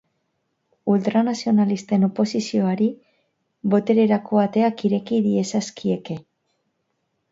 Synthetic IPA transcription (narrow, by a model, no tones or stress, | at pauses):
ult̪ɾanasio̞nalist̪e̞no̞po̞sisio̞aɾi | βo̞t̪e̞ɾe̞ɾako̞at̪e̞akiɾe̞kiðie̞saskie̞ke̞